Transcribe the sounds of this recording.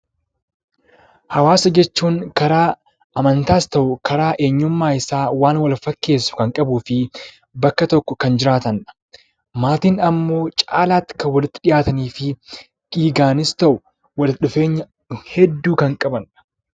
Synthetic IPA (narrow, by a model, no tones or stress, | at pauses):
hɐwaːsɐd͡ʒɛt͡ʃːuːŋkɐɾaː | ʔɐmɐnt̪aːst̪ɐʔʊkɐɾaːʔe̞ːɲːʊmːaːɪsaːwaːnwɐlfɐkːe̞ːsːʊ̥kɐŋkʼɐbuːfɪ | bɐkːɐt̪ɔkːɔkɐnd͡ʒɪɾaːt̪ɐnɐ̥ | maːt̪iːnɐmːo̞ːt͡ʃʼaːlaːt̪ːɪ̥kɐwːɐlɪt̪ːɪ̥ᶑɪjaːt̪ɐniːfɪ | ɡ̥iːɡaːnɪst̪ɐʔʊ | wɐlɗʊfe̞ːɲːɐ | hɛd̪ːuːkɐŋkʼɐbɐn